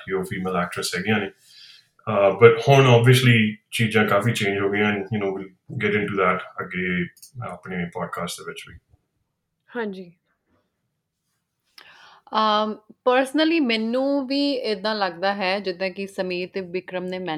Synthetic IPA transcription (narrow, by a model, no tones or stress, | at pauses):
joːfiːmeːlæːk̚ʈɾəsɦɛːɡɪjãːneː | bəʈhʊɳɔːbiəsliːt͡ʃiːzãːkaːfiːt͡ʃẽːnd͡ʒɦoːɡɪjãːɛ̃njənoːʋil | ɡɛʈɪ̃ɳʈuːd̪ɛːʈəɡeːa̰ːpɳeːpaːɖ̚kaːsʈd̪eːʋɪt͡ʃʋḭː | hãːɲd͡ʒiː | pəɾsnəliːmɛːnũːʋiːɪd̪ãːləɡd̪aːɦɛːd͡ʒɪd̪ãːkɪsəmiːɾt̪eːʋɪkɾəmneːmɛ̃ː